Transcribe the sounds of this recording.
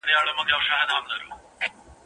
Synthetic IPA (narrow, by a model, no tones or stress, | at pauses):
d̪ɐjaːɭumːokːeɐʋɐʂaːɦɐd̪ʱaːmnɐɾṵ